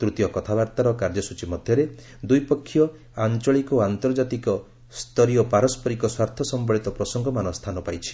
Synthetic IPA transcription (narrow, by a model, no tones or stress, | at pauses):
t̪ɾut̪ijɔkɔt̪ʰabaɾt̪aɾɔkaɾd͡ʒɔsut͡ʃimɔd̪ʱjɔɾe | d̪ujpɔkʰːijɔ | ant͡ʃɔɭikɔant̪ɔɾd͡ʒat̪ikɔ | st̪ʰɔɾijɔpaɾɔspɔɾikɔswaɾt̪ʰɔsɔmbɔɭit̪ɔpɾɔsɔŋɡɔmanɔst̪ʰanɔpajt͡ʃʰi̥